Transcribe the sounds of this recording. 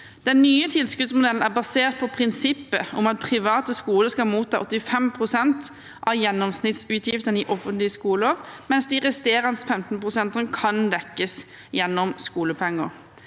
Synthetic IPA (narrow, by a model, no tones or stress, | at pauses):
d̪̥ɛnːyːət̪ʰɪlskʉd̪smʊd̪ɛln̩æʁbɑseːt̪̚pʰɔpʰɾɪnsɪpːəʊmɑt̪̚pʰʁɪʋɑːt̪əskuːləskɑmuːt̪ʰːɑːʔɔt̪ːɪfɛmpʰʁʊsɛnt̪ | ʔɑʋjɛnːɔmsnɪt̪sʉːt̪jɪft̪ənəɪʔɔfənt̪lɪəskuːləɾmɛnsd̪ɪʁɛst̪eːɾɑnsfɛmt̪n̩pʰʁʊsɛnt̪ənəkʰɑnd̪ɛkːəs | jɛnːɔmskuːləpʰɛŋːəɾ